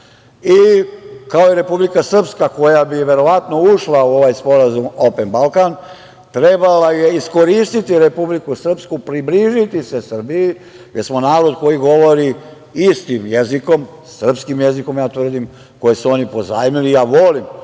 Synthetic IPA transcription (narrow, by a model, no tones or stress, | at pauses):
ikaoiɾe̞publikasr̩pskako̞jabiʋe̞ɾo̞ʋat̪no̞uʃlauo̞ʋajspo̞ɾazumopenbalkan | t̪ɾebalaje̞isko̞ɾiːst̪it̪iɾe̞publikusr̩pskupɾibliʒit̪ise̞sr̩biji | jesmo̞naːɾo̞d̪ko̞jiɡo̞ʋo̞ɾi | ist̪imjeziko̞m | sr̩pskimjeziko̞mjaːt̪ʋr̩d̪im | ko̞jesuo̞nipo̞zaːjmilijaːʋo̞lim